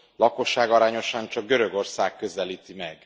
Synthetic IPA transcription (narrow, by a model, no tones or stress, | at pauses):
lɒko̞ʃːaːɡɒɾaːɲo̞ʃɒɲt͡ʃɒɡ̚ɡøɾø̞ɡo̞rsaːkːø̞zɛliːt̪imɛɡ